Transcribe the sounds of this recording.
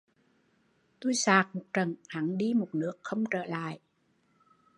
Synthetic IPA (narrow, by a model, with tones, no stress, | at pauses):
t̪u˧jsaː˨˩k̚mo˨˩t̚t͡ɕə˨˩ŋha˨˦ŋɗi˧mo˨˩t̚nɨ˦˥əkxə˧wŋ͡mt͡ɕəː˧˩la̰ː˧˨jʔ